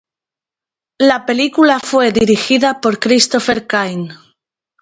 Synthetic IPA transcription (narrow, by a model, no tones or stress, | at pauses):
lape̞likulafwe̞ðiɾixiðapo̞ɾkɾist̪ofeɾkajn